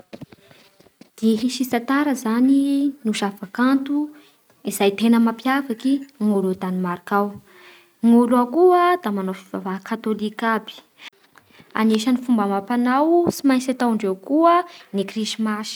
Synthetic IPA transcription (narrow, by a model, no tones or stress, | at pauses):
d̪̥eɦiʃisat̪aɾəzaninuʃafakant̪u | izajt̪enəmapjavakiŋulud̪animaɾakaw | ŋulakuəd̪̥amanofivavakat̪olikabi̥ | a̰neʃanifumbamapanawsimajt͡sat̪awɳɖ͡ʐewkuənikriʃimaʃi̥